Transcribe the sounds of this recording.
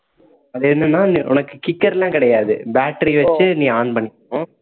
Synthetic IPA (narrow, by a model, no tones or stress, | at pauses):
ɐðɯɛnːɐnːaːniʔʊ̰nɐkːɯkɪkːɐɾlãːkɪɽɐjaːðɯbaːʈːɾiʋɐt͡ʃːɯnĩːaːɳpɐɳːɪkːõ